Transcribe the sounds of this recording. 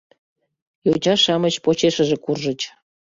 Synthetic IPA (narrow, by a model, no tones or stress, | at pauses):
jot͡ɕɑʃɑmət͡ɕpot͡ɕeʃəʒekurʒət͡ɕ